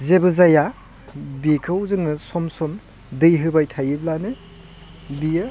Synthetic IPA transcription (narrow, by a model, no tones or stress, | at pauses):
zebɯzaja | bikʰɯwzɯŋnɯsɔmsɔm | dɯjɦɯbajtʰajɯblanɯ | bijɯ